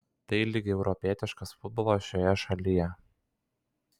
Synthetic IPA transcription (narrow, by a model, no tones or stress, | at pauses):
t̪ɐɪlʲɪɡʲɪɛʊɾɔpʲiɛt̪ʲɪʃkɐsfʊd̪̚bɔlˠoːʃʲoːjɛʃɐlʲɪjɛ